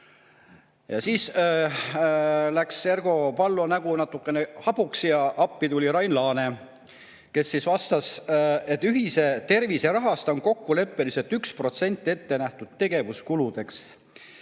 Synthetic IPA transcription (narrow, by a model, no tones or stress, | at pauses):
jɑsiːs | læksːe̞rɡ̥o̞pɑlːonæɡ̥unɑt̪ːˑukːˑenehɑpuksijɑʔɑpːit̪ulʲiɾɑjnlɑːne̞ | ke̞sːisvɑst̪ɑse̞t̪ːˑyɦise̞t̪e̞rviseɾɑɦɑst̪ɑonko̞kːule̞pːelise̞lt̪ykspro̞t̪se̞nʲt̪ˑːie̞t̪ːe̞næht̪ud̪̥t̪e̞ɡe̞vuskulud̪̥e̞ks